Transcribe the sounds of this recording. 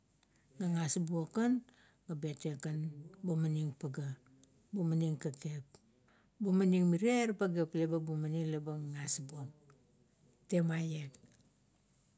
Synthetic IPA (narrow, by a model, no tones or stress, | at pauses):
ɡaŋasbuokan | ɡabetekanbomaniŋpaɡa | bomaniŋkakep̚ | bomaniŋmiɾeɾpaɡeplebabumaniŋlebaŋŋasbuoŋ̚ | temajek̚